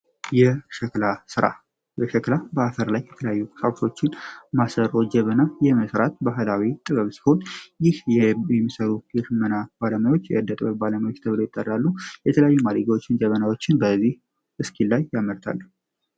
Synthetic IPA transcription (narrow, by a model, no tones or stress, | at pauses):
jɛʃəklasɨɾa̰ | bəʃəklabəafəɾlajːɛt̪ʰələjajːukʼsawsʰo̞t͡ʃːɪnmasəɾo̞d͡ʒəβənajɛməsɾat̪̚baɦɨlawit̪ʼɨβəβsi̥ho̞njɪhjɛɛmːisəɾuɡɪɾmənab̥aləmajwo̞t͡ʃːjɛʔɨd̪ːət̪ʼbəβbaləmajwo̞t͡ʃːt̪ʰəβlojɪt̪ʼːəralːujɛt̪ʰələjajːumaliɡawo̞t͡ʃːɪnd͡ʒəβənawo̞t͡ʃːɪnbəzːih | ʔɨskʰilːajːaməɾt̪ʰa̰lː